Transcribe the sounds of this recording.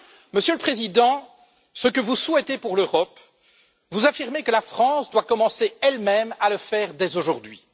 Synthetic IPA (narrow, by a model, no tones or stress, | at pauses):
məsjøləpχezid̪ɑ̃ | səkəvuswɛt̪epuʁløʁɔp | vuzafiʁmekəlafχɑ̃sd̪wakɔmɑ̃seɛlmɛmaləfɛːʁd̪ɛzoʒuʁd̪ɥi